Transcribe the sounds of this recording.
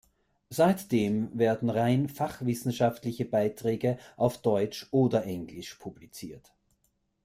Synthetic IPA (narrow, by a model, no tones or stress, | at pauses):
z̥aɪtd̥eːmvɛːɐdn̩ʁaɪnfaχv̥ɪsn̩ʃaftlɪçəbaɪtʁ̥ɛːɡəʔaʊfd̥ɔʏt͡ʃʔoːdɐʔɛŋɡlɪʃpʰublit͡siːɐt